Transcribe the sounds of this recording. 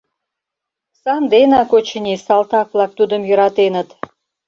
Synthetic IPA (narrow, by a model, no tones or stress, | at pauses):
sɑnd̪enɑkot͡ɕənʲisɑlt̪ɑk̚βlˠɑk̚t̪ud̪əmjøɾɑt̪enə̆t̪